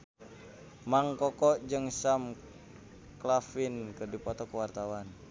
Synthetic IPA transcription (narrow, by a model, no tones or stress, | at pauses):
maŋkɔkɔd͡ʒɨŋsam | klafinkədipɔt̪ɔkəwart̪awan